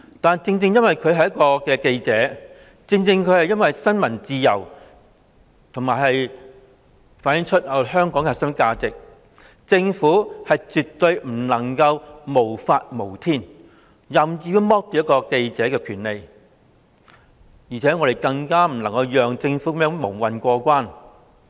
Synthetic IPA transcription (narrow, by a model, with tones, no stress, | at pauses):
t̪aː˨nt͡sɪ˧ŋt͡sɪ˧ŋjɐ˥nwɐ˨jkʰɵ˨˧ɦɐ˨˩jɐ˥tkɔː˧kɛː˧ke˧jt͡sɛː˨˦˥ | t͡sɪ˧ŋt͡sɪ˧ŋkʰɵ˨˧ɥhɐ˨jɐ˥nwɐ˨jsɐ˥nmɐ˨˩nt͡siː˧jɐ˨˩w | t̪ʰʊ˨˩ŋmaː˨˩jɦɐ˨j | faː˨˥njɪ˨˥ŋt͡ʃʰɵ˥t̚hɐ˨˩ɦœː˥ŋkɔː˨˥ŋkɛ˨˧sœ˥nkaː˧t͡sɪ˨k̚ | t͡sɪ˧ŋfuː˨˥hɐ˨jt͡sy˨t̪ɵ˧ɥm̩˨˩nɐ˨˩ŋkɐ˧wmo˨˩wfaː˧t̚mo˨˩wt̪ʰiː˥n | jɐ˨˩mt͡siː˧ju˧˥mɔː˥k̚t̪iː˨˥jɐ˥kːɔː˧ke˧jt͡sɛː˨˥kɛː˧kʰyː˨˩nle˨j | jiː˨˩t͡sʰɛː˨˥ŋɔː˧ɾe˨jkɐ˧ŋkaː˥m̩˨˩nɐ˨˩ŋkɐ˧wjœː˨ŋt͡sɪ˧ŋfuː˨˥kɐ˨˥mjœː˧˥ŋmo˨˩ŋwɐ˨nkʷɔː˧kʷwaː˥n